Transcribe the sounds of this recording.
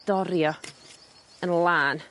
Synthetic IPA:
d̥ɔɾjɔ | ənlˠaːn

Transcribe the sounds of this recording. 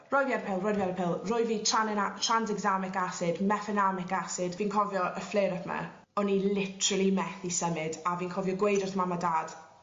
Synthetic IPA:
rɔjvjadpʰɪlˠrɔjvjadpʰɪlˠrʊɨviːtʰanɛatʰrandɛɡzamɪkasɪdmɛfɛnamɪkasɪdviːnkʰɔvjɔʔəfleɾəpʰma̰ | ɔnilˠɪtʰɾəlˠimɛθisəmɪdaviːnkʰɔvjɔɡwejdʊrθmamadaːd̥

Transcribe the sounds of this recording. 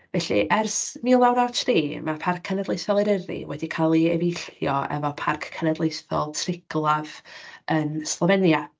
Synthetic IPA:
vɛɬḭʔɛrsmiːlˠawnatʰriːmapʰarkʰːənɛdlˠejθɔlˠɛɾəɾḭwɛdikʰalˠiɛvejɬjɔɛ̰vɔpʰarkʰːənɛdlˠejθɔ̰lˠtʰrɪɡ̥lˠavənslˠəvɛnja

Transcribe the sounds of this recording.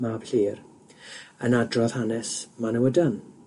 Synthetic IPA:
mab̥ɬiːr | ənadrɔð̥hanɛsmanəwədan

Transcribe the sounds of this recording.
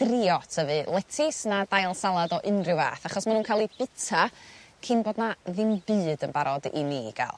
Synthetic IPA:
rɪɔtʰəvɨlˠɛtʰɪsnadajlˠsalˠadɔʔɪnrɪwa̰ːθaχɔsmanuːnkʰalˠib̥ɪtʰakʰɪnboːdnaðɪmbɨːdənbaɾɔdḭnḭɡ̥a̰lˠ

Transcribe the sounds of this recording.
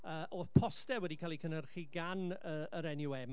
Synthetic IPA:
əːʔoːθpʰɔstɛwɛdikʰaːlˠikʰənərχiɡanəəɾɛnjʊwɛm

